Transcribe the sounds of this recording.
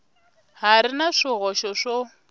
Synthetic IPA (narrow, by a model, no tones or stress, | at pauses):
haɾɪnaʂɪɣɔʃɔʂo